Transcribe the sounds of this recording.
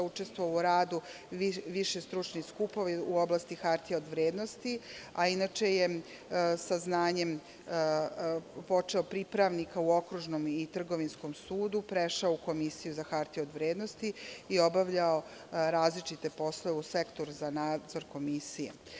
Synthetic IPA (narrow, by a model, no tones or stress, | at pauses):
ut͡ʃe̞st̪ʋouɾaːd̪u | iʋiʃest̪ɾut͡ʃniskupo̞ʋiuo̞blˠast̪ixaɾt̪ijeod̪ʋɾeːd̪nost̪iainat͡ʃe̞je | saznaːɲe̞m | po̞t͡ʂeopɾipɾaʋnikauo̞kɾuʒnomit̪r̩ɡo̞ʋinsko̞msuːd̪upɾeʃaoukomisijuzaxaɾt̪iod̪ʋɾeːd̪no̞st̪iio̞baʋʎao | ɾaːzlit͡ʃit̪e̞po̞slˠoeusekt̪o̞ɾuzanaːd̪zo̞ɾko̞misijḛ